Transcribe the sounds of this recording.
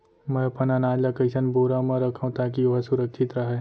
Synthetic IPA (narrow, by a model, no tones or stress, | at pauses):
mɛ̃pənanaːlakəɪsənboːɾamãɾəkʰaũt̪aːk̬ioɦasʊɾəkt͡ʃʰɪt̪ɾɐɦɛː